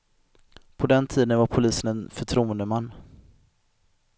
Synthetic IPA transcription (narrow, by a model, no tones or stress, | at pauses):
pʰɔd̪ɛnt̪ʰiːd̪ənvaɾpʰʊliːsənɛnfœʈʰɾuːənd̪əmanː